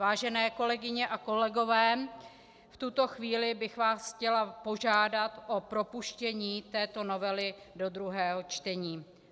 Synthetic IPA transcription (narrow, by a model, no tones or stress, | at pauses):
vaːʒɛnɛːko̞lɛɡɪɲɛʔako̞lɛɡo̞vɛː | ft̪ut̪o̞xviːlɪbɪxvaːsxcɛlapo̞ʒaːdat̪ʔopɾo̞puʃcɛɲiːt̪ɛːt̪o̞no̞vɛlɪdo̞d̪ɾuɦɛːɦo̞t͡ʃt̪ɛɲiː